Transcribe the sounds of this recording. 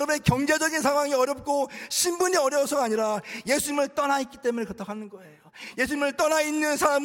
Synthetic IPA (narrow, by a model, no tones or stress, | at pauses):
ɾʌbe̞kjʌŋd͡ʑe̞d͡ʑʌɡins̬ʰaŋɦwaŋiʌɾjʌp̚k͈ʰoɕʰimbuɲiʌɾjʌwsʰʌɡaɲiɾaje̞sʰuɲimɯɭt͈ʌnait̚k͈it͈e̞munekʌt͈ʰakanɯnɡʌe̞joje̞sʰuɲimɯɭt͈ʌnainːɯnsʰaɾam